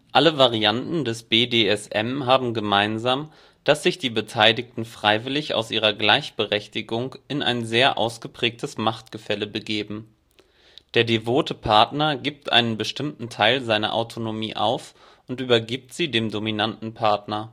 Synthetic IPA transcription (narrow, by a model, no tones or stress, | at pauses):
ʔaləvaʁiantn̩dɛsb̥eːdeːɛsʔɛ̰mɦaːbm̩ɡəmaɪnzaːm | d̥asz̥ɪçd̥iːbətʰaɪlɪktn̩fʁ̥aɪvɪlɪça̰ʊsʔiːʁɐɡlaɪçb̥əʁɛçtɪɡʊŋɪnʔa̰ɪnzeːɐʔa̰ʊsɡ̥əpʁ̥ɛːk̚tʰəsmaχt̚ɡ̥əfɛləbəɡeːbm̩ | d̥eːɐdevoːtəpʰaɐtnɐɡiːp̚tʔa̰ɪnənbəʃtɪmtn̩tʰaɪlzaɪnɐ̰ʔa̰ʊtʰonomiːʔa̰ʊf | ʔʊntʔyːbɐɡiːp̚tz̥iːdeːmdominantn̩pʰaɐtnɐ